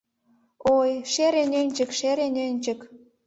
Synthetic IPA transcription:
ojʃeɾenʲønʲt͡ɕə̆kʃeɾenʲønʲt͡ɕə̆k

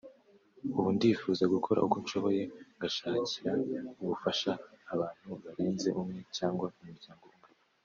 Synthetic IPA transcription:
uβundiːfuːzaɡukʰo̞ɾa̰ukonʃo̞βo̞je̞ŋɡaʃaːciɾauβufaʃaːβaːn̥huβaɾeːnze̞ʔumŋe̞caːŋɡwaumuɾɟaːŋɡobe

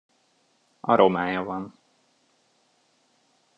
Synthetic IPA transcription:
ɒɾʔomaːjɒvɒn

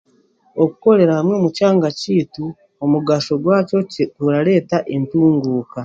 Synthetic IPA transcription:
okuko̞ɾe̞ɾahamwe̞ːmucaːŋɡaciːtu | omuɡaʃo̞ɡwaːco̞kuɾaɾe̞ːtaʔentuːŋɡuːka

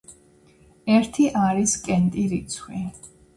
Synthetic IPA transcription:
ɛɾt̪ʰiʔaɾiskʼɛnt̪ʼiɾit̪sʰwi

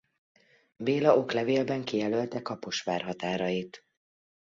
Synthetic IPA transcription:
beːlɒʔo̞klɛveːlbɛŋkijɛlølt̪ɛkɒpo̞ʃʋaːrɦɒt̪aːɾɒjit̪

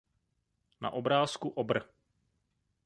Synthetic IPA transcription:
na̰ʔobɾaːskuʔobr̩

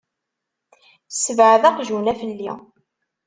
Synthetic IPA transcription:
səvʕðɑqʒunæfəlːi

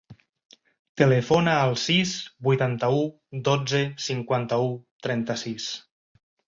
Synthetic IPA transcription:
t̪əlefonaːlˠsisbujt̪ant̪əu | d̪od͡zesiŋkwant̪əut̪ɾɛnt̪əsis

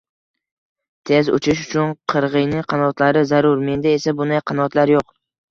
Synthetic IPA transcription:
t̪ʰe̞zʊ̰t͡ʃʰɪʃ̬ʊ̥t͡ʃʰʊnqʰɨɾʁɨjnɪŋqʰɑnɒt̪ʰlaɾɪzaɾʊɾme̞nd̪ae̞sabʊnd̪ajqʰɑnɒt̪laɾjoq

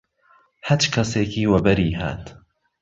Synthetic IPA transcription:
hat͡ʃkʰɐseːkʰiːwɐbɐɾiːɦa̰ːt̪

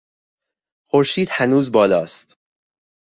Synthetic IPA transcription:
xoɾʃiːd̪̥hænuːzbɒːlɒːst̪

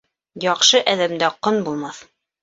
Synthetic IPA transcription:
jɒqʃɤʔæðæmd̪æqonbulˠmɑθ

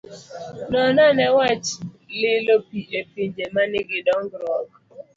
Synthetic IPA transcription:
nɔnanɛwat͡ʃ | lɪlopiʔepiɲd͡ʒemanɪɡɪdɔŋɡɾɔɡ

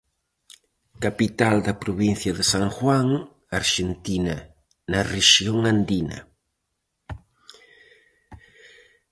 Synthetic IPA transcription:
kapit̪ald̪ɐpɾoβĩn̟θjɐðesaŋxwaŋ | aɾʃent̪inɐ | nɐreʃioŋand̪inɐ̰

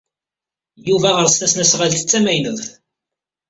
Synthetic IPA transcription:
juvæʁəɾst̪æsnæsʁalθə̥t͡sːæmæjnəðˤ

